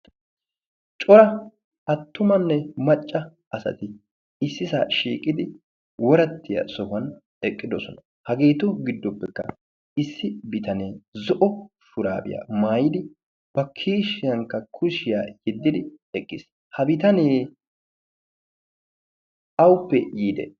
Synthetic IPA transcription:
t͡ʃʼɔɾɐ | ɐt̪ːʊmɐnːɛmɐt͡ʃʼːɐ | ɐsɐ̰t̪ɪ | ɪsːɪsa̰ːʃḭːkʼɪd̪ɪ | wɔɾɐt̪ːɪjɐ̰sɔhɐn | ɛkʼːɪd̪ɔsɔnɐ | hɐɡe̞ːt̪ʊɡɪd̪ːɔpːɛkːɐ̰ | ɪsːɪbɪt̪ɐneːzɔʔɔʃʊɾa̰ːbɪ̰ja̰maːjɪd̪ɪ | b̥ɐkʰiːʃɪjɐŋkːɐkʰʊʃɪja̰ːjɪd̪ːɪd̪ɪ | ɛkʼːɪs | hɐbɪt̪ɐneː | ɐwpːɛjiːd̪ɛ̰

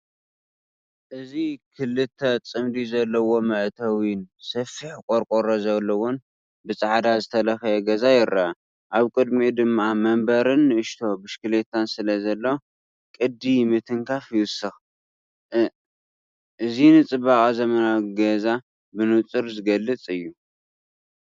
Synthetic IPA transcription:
ʔɨzikʰɨlɨt̪ʰːɐt͡sʼɨmd̪izɐlːɐwo̞mɐʔt̪ʰɐwinsɐfːiħkʼoɾkʼoɾozɐlːɐwon | bɨt͡sʼaʕd̪azɨt̪ʰɐlɐxɐjɛɡɐzajɪɾɐa | ʔaβkʼɨd̪mid̪ɨmːamɐmbɐɾɨnːɨʔɨʃt̪ʰo̞bɨʃkɨlet̪ʰːansɨlɐzɐlːɐ | kʼɨd̪ːimɨt̪ʰɨŋkʰafjɨsɨx | ʔɨzinɨt͡sʼɨbaχʼzɐmɐnaɡɐza | bɨnut͡sʼɨɾzɨɡɐlːɨt͡sʼɨjːu

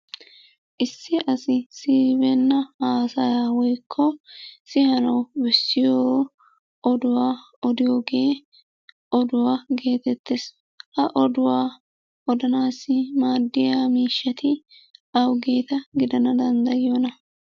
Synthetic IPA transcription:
ʔɪsːɪʔɐsɪsiːbɛnːɐaːsɐjaːwɔjkʰːɔsɪhɐnɐwbɛsːɪjoː | ʔɔd̪ʊwaː | ɔd̪ɪjoːɡe̞ː | ʔɔd̪ʊwaːɡe̞ːt̪ɛt̪ːes | hɐʔɔd̪ʊwaː | ɔd̪ɐnaːsːɪmaːd̪ːɪjaːmiːʃːɐt̪ɪ | ɐwɡe̞ːt̪ɐɡɪd̪ɐnɐd̪ɐnd̪ɐjɪjoːnɐ

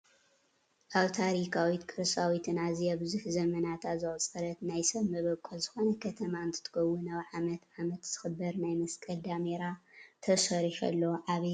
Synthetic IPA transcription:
ʔaβt̪ʰaɾikʰawit̪kʰɨɾɨsawit̪ʰɨnaziabɨzuħzɐmɐnat̪ʰazɨʔʼt͡sʼɐɾɐt̪najsɐβmɐβɐkʼːolzɨxo̞nɐkʰɐt̪ʰɐmaɨnt̪ʰɨ̥t̪ʰɨ̥kʰɐwːunaβʕamɐt̪ʕamɐt̪z̥ɨxɨbɐɾnajmɐskʼɐld̪ameɾat̪ʰɐsɐɾiħɐ̰lːɐʕaβe

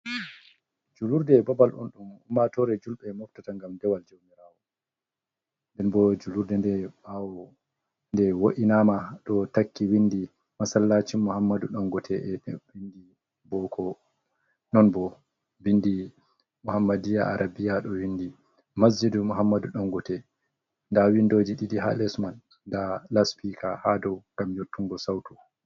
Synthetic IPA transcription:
d͡ʒuluɾdɛbabalɗɔ̰nɗumumatɔɾɛd͡ʒulɓɛmɔftataŋɡamdɛwald͡ʒowmiɾawɔ | ndɛnbɔd͡ʒuluɾdɛndɛɓawɔ | ndɛwoʔinamaɗɔtakːiwindi | masalːat͡ʃimuhamːaduɗɔnɡɔtʰɛɛwindi | bɔkʰɔ | nɔnbɔ | bindi | muhamːadijaʔaɾʔabijaɗɔwindi | masd͡ʒidumuɦamːaduɗɔnɡɔtɛ | ndawindod͡ʒiɗidiɦa̰lɛsmanː | dalaspikahadɔwɡ̥amjotːuŋɡɔsawtu

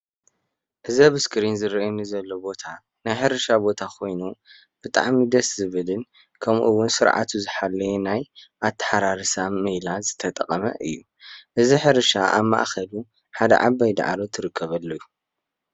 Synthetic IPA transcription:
ʔɨzɐbɨskʰɨɾinzɨɾɐnizɐlːo̞bo̞t̪ʰa | najħɨɾɨʃabo̞t̪ʰakʰo̞jnu | b̥ɨt̪ʼa̰ʕmid̪ɐszɨβɨlɨn | kʰɐmʔuwʊnsɨɾʕa̰t̪ʰuzɨħalːɐjenajʔat̪ʰːɐ̥ħaɾaɾɨsamːejlazɨt̪ʰɐt̪ʼɐqʼɐmɐ̰ʔɨjːu | ʔɨziħɨɾɨʃaʔa̰βma̰ʔxɐlu | ħad̪ɐ̰ʕabːajd̪a̰ʕa̰lot̪ʰɨɾɨkʰːɐβɐlːoju

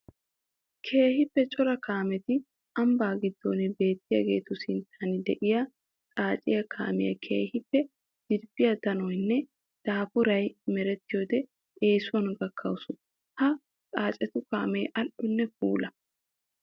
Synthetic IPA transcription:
kʰe̞ːhɪpːɛt͡ʃʼɔɾɐkaːmɛt̪ɪ | ʔɐmbaːɡɪd̪ːoːnɪbe̞ːt̪ːɪjɐ̰ɡe̞̰ːt̪ʊsɪnt̪ʰːaːnɪd̪ɛʔɪjɐ | t͡sʼaːt͡ʃʼɪjɐkʰa̰ːmɪ̰jɐ̰kʰe̞̰ːhɪpːɛ | d̪̥ɪdbɪjɐt̪ɐnɔjnːɛ | d̪̥aːpʊɾɐjmɛɾɛt̪ːɪjoːd̪ɛ | eːsʊnɡɐkʰːɐwʊsʊ | hɐ | t͡sʼaːt͡ʃʼɛt̪ʊkaːmɛjʔɐlʔʊnːɛfuːlɐ

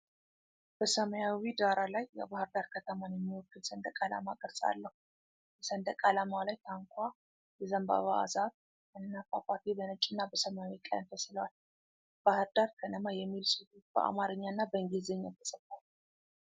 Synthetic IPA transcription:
b̥əsəməjawid̪aɾalajːɛ̰bahɨɾd̪aɾkʰət̪ʰəmanjɛmːiwɔkːɨnsənd̪əkʼala̰makʼɨɾsʼa̰lːəhu | bɛsənd̪əkʼalamalajt̪ʰaŋkʷʰa | bɛzəmba̰βa̰a̰zaβ | ʔɨnɨnafapʰaɾt̪ʰibənət͡ʃʼɪnːabəsəmjawikʼajnt̪ʰəsɨləwal | b̥ahɨɾd̪aɾkʰənəmajɛmːilsəhub̥ə̰ʔa̰maɾɨɲːanːabəɨŋɡizeɲːat̪ʰə̥sət̪ːal

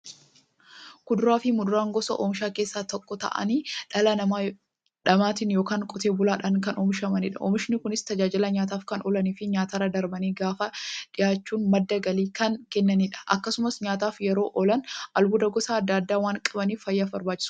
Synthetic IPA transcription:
kʊd̪ʊɾaːfɪmʊd̪ʊɾaːŋɡɔsɐʔoːmɪʃaːke̞ːsːaːt̪ɔkːɔt̪ɐ̰ʔɐ̰niːᶑɐlɐnɐma | ᶑɐmaːt̪ɪnjoːkaːŋkʼɔt̪e̞ːbʊlaːᶑɐŋkɐnɔmɪʃɐmɐnɪᶑɐʔɔ̰mɪʃɪnɪkʊnɪst̪ɐd͡ʒaːd͡ʒɪlɐɲaːt̪aːfkɐnɔlɐniːfɪɲaːt̪aːɾɐd̪ɐɾbɐniːɡaːfɐᶑɪjaːt͡ʃːuːnmɐd̪ːɐɡɐliːkɐnkɛnːɐniːᶑɐ̥ʔɐkːɐsʊmɐsɲaːt̪aːfjɛɾo̞ːʔɔlɐnʔɐlbʊd̪ɐɡɔsaɐd̪ːaːd̪ːaːwaːŋkʼɐbɐniːffɐjːafbɐɾbaːt͡ʃːɪ̥ʊ̥

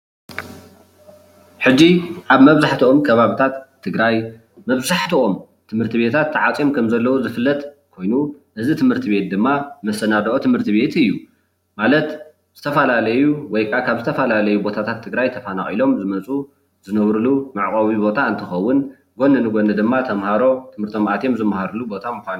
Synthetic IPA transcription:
ħɨd͡ʒːiʔaβmɐβzaħt̪ʰuo̞mkʰɐβaβit̪ʰat̪ʰːɨɡɾaj | mɐβzaħt̪ʰuʔo̞m | t̪ʰɨmhɨɾt̪ʰɨβe̞t̪ʰat̪ʰːɐʕat͡sʼimkʰɐmzɐlːɐwuzɨfɨlːɐt̪ʼkʰo̞jnuʔɨzit̪ʰɨmhɨɾt̪ʰiβe̞t̪̚d̪ɨmːamɐsɐnad̪ɐʔot̪ʰɨmhɨɾt̪ʰiβe̞t̪ɨjːu | malɐt̪ | z̥ɨt̪ʰɐfɐlalɐjuwɔjkʼʰakʰaβzɨt̪ʰɐfɐlalɐjubo̞t̪ʰat̪ʰat̪ʰːɨɡɾajt̪ʰɐfana̰xʼilo̞mzɨmɐt͡sʼu | zɨnɐβɾɨlumaʕkʼɐβibo̞t̪ʰaɨnt̪ʰɨxɐwːʊn | ɡo̞nɨnɨɡo̞nɨd̪ɨmːat̪ʰɐmhaɾo̞t̪ʰɨmhɨɾt̪ʰo̞mʔat̪ʰjemzɨmahaɾulubo̞t̪ʰamuxan

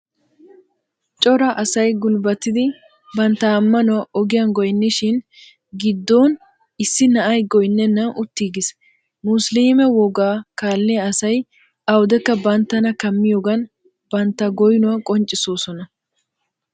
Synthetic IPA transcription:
t͡ʃʼɔɾɐʔɐsɐjɡʊlbɐt̪ːɪd̪ɪ | bɐnt̪ːɐːmːɐnʊwɐʔɔɡɪjɐnɡɔjnːɪʃɪn | ɡɪd̪ːo̞ːn | ɪsːɪnɐʔɐjɡɔjnːɛnːɐʔʊt̪ːiːɡɪs | mʊsliːmɛwɔɡaːkaːlːɪjɐɐsɐj | ʔɐwd̪ɛkːɐbɐnt̪ːɐnɐkɐmːɪjoːɡɐn | b̥ɐnt̪ːɐɡɔjnʊwɐkʼɔnt͡ʃʼɪsoːsɔnɐ

